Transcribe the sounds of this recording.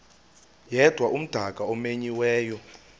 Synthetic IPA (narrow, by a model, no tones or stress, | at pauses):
jɛd̥ʱwaʔum̩d̥ʱakʼaɔmeɲiwɛːjɔ